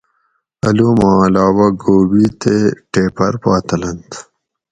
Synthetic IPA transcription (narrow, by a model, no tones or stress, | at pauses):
ɐluːmɑ̃ːɐlɑːwɐɡoːbit̪eʈeːpɐɾpɑːt̪ɐlɐnt̪